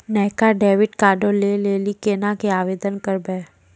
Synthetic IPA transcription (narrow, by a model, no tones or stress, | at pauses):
nɛɦkaɖeːʋɪʈkaːɖoleleːlikeːnakeaːʋeːd̪ənkəɾbɛː